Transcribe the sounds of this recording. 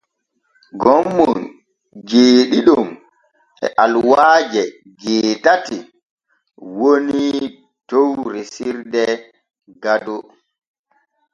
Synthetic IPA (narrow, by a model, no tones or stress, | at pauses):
ɡɔmːɔn | d͡ʒeːɗiɗum | ɛ̰ʔalwaːd͡ʒɛ | d͡ʒeːtati | woni | towɾesiɾdɛ | ɡadɔ